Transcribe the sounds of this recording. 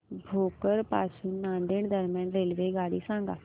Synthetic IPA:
bʱoːkəɾpaːsunnãːnd̪ɪɳd̪əɾmjãːnɾeːlʋeːɡaːɽisãːŋɡaː

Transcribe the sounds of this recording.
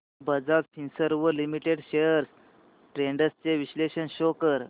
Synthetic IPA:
bəd͡zatfʰinsəɾʋəlimiʈeɽɕejəɾs | ʈɾeɳɖəst͡ɕeʋiɕleɕənɕokəɾ

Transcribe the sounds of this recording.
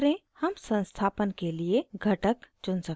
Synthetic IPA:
ɾẽhəmsə̃nst̪ʰaːpənkelieɡʱəʈəkt͡ʃʊnsək

